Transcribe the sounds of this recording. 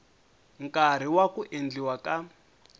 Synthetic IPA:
ŋ̩kaɾ̤iwakuʔend͡ɮiwaka

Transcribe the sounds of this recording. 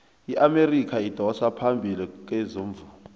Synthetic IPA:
iʔamerikʰaid̥ʱɔsapʰambʱilik̬ʼwɛzoːɱvu

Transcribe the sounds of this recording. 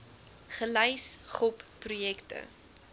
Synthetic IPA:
χəlɛjsχɔpːrujɛktə̰

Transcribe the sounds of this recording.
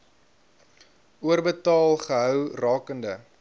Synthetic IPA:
uərbətɑːlˠχəɦœwrɑːkəndə

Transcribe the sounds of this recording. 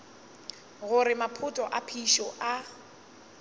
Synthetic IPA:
ɣʊɾɪmapʰʊtʼɔʔapʰiʃɔʔa

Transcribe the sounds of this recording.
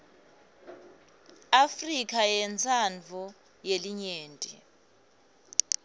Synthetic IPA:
afrik̬ʰʼajɛnt͡sʰʼand͡vʱu | jeliɲeːntʼḭ

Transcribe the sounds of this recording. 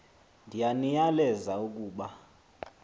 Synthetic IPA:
ndʱijanijalɛzauk̬ʼuːɓa

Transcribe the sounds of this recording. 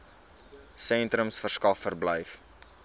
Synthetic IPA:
sɛnt̪ɾəmsfərskɐfːərbləjf

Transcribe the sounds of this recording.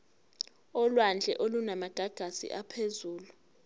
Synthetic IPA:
ɔlwand͡ɮʱɛʔolunamaɡ̥ʱaɡ̥ʱasḭʔapʰezuːlu

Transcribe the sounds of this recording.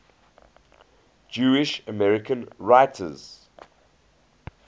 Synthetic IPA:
d͡ʒuːɪʃəmɛɹɪkʰə̃nɹaɪtʰə̰z̥

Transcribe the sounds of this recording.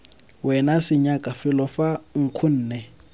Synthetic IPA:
wɛnasɪɲakʼafɪlɔfaŋ̩kʰʊn̩ːnɛ

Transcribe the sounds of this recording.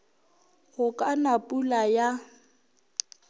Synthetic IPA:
hʊkʼanapʼulaja

